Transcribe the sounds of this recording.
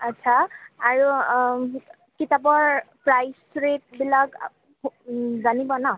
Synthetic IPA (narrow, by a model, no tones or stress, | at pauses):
atːsʰaaɹu | kitabɔɹpɹajsɹet̚bilak | zanibɔna